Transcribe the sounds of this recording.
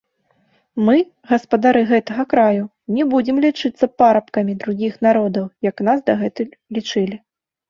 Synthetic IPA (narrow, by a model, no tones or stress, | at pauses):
mɨ | ɣɐspɐd̪aɾɨɣɛt̪ɐɣɐkɾaju | nʲɛbud͡zʲimlʲit͡ʂɨt̪sːɐpaɾɐpkɐmʲid̪ɾuɣʲixnaɾɔd̪ɐwjɐknasd̪ɐɣɛt̪ɨlʲit͡ʂɨlʲi